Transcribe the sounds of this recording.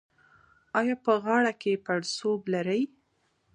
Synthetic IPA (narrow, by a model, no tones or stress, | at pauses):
ɑjɑpəɣɑɽakepaɽsoblaɾəj